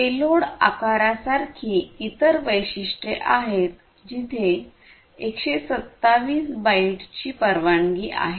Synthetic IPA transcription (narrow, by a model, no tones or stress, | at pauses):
peloɽa̰kaɾasaɾkʰiːit̪əɾʋəjɕiʂʈeʔaɦet̪ | d͡ʑit̪ʰe | ekɕesət̪ːaʋiːsbaiʈt͡ɕiːpəɾʋaɳɡiːʔa̰ɦe